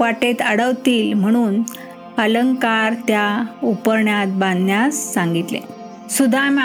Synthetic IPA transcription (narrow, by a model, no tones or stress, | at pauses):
ʋaʈet̪əɽəʋt̪iːlm̤əɽ̃uːn | ələŋɡkaɾt̪jaupəɾɳjat̪̚bãnd̪ʱnjasːãŋɡit̪lḛ̃ | sud̪ʱama